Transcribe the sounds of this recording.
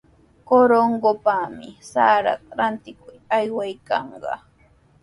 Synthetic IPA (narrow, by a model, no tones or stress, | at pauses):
koɾoɴɢopamɪ̰saːɾɑ̰qɾant̪ɪkʊjajwajkɑɴɢɑ̰